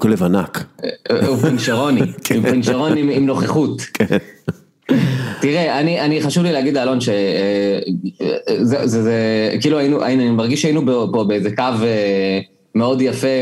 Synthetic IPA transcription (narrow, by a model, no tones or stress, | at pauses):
kolevana̰k | upenʃeʁo̞niimpenʃeʁo̞nimimno̞χeχut | tiʁeaniʔaniχaʃuvlilehaɡidlaːlo̞nʃe | zezzekiːluajinuʔa̰inanimaʁɡiʃainubopobeezekave | meo̞djafe